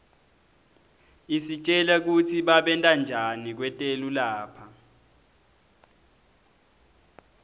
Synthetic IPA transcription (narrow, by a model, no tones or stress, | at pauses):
isit͡ʃʼɛlak̬utʰiɓaɓɛntʼand͡ʒʱanik̬wɛtʼelulaːpʰa